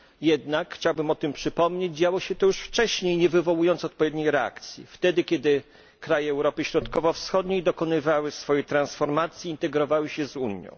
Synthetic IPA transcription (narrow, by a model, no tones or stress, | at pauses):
jɛd̪nakxt͡ɕawbɘmɔt̪ɘmpʂɘpɔmɲed͡ʑd͡ʑawɔɕɛt̪ɔjuʂft͡ʂɛɕɲejɲɛvɘvɔwujɔnt̪ɔt̪̚pɔvʲed̪ɲejɾɛa̰kt̪sʲjḭft̪ɛd̪ɘkʲɛd̪ɘ | kɾajɛːwɾɔpɘɕɾɔt̪kɔvɔfsxɔd̪ɲejd̪ɔkɔnɘvawɘsfɔjɛt̪ɾansfɔɾmat̪sʲjiːnt̪ɛɡɾɔvawɘɕɛzuɲjɔ̰̃w̃